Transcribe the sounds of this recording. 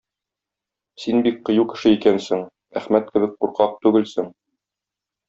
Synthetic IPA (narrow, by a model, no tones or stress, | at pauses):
sinbik̚qɤ̆jukɘ̥̆ʃɘikænsɘŋ | æχmæt̪̚kɘ̆bɘk̚quɾqɑq̚t̪ʉɡɘlsɘŋ